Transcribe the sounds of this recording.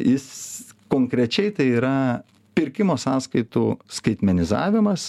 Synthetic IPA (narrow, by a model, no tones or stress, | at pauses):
jɪskoːŋkɾʲɛt͡ʃʲɛɪt̪ɐɪiːɾɐ | pʲɪɾʲkʲɪmoːsɑːskɐɪt̪uːskɐɪt̪ʲmʲɛnʲɪzɑ̰ːʋʲɪmɐs